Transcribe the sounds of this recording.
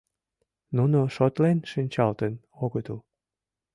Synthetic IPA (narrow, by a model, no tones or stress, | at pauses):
nunoʃot̪lenʃənʲt͡ɕɑlt̪ən | oɣət̪əl